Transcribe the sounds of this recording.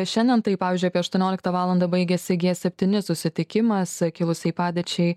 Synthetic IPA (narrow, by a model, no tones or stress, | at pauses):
ʃʲɛnʲd̪ʲɛnt̪ɐɪpɑːʋʲiːzʲd͡ʒʲʊɑpiɛɐʃt̪uɔnʲoːlʲɪkt̪ɐʋɑːlˠɐnd̪ɐbɐɪɡʲɛsʲɪɡʲeɛsʲɛpʲt̪ʲɪnʲɪsʊsʲɪt̪ʲɪkʲɪmɐsskʲɪlˠʊsʲɛɪpɑːd̪ʲɛt͡ʃʲɛɪ